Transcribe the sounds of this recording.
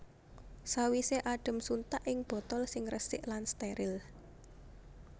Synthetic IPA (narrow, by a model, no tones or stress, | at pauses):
sawiseʔaɖ̥ə̤msunt̪aʔɪŋb̥ɔ̤t̪ɔlsɪŋrəsɪʔlanst̪eɾɪl